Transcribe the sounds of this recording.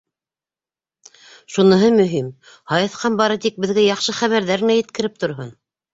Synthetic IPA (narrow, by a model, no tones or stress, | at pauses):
ʃunɤ̆ɦɤmɵ̆ɦim | hɑjɤ̆θqɑnbɑɾɤt̪ik̚bɘ̆ðɡæjɑχʃɤχæβæɾðæɾɘ̆næjɘ̆t̪̚kɘ̆ɾɘp̚t̪ŏɾɦon